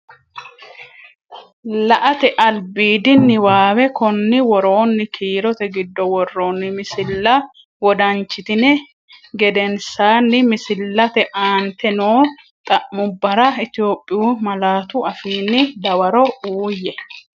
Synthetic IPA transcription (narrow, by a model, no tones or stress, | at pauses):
lɐʔɐt̪ɛʔɐlbiːd̪ɪnːɪwaːwɛkɔnːɪwɔɾoːnːɪkʰiːɾɔt̪ɛɡɪd̪ːɔwɔrːoːnːɪmɪsɪlːɐ | wɔd̪ɐnt͡ʃːɪt̪ɪnɛ | ɡɛd̪ɛnsaːnːɪmɪsɪlːɐt̪ɛʔaːnt̪ɛnoː | t̪ʼɐʔmʊbːɐɾɐɪt̪ɪjo̞ːpʼːɪjuːmɐlaːt̪ʊɐfiːnːɪd̪ɐwɐɾɔuːjːɛ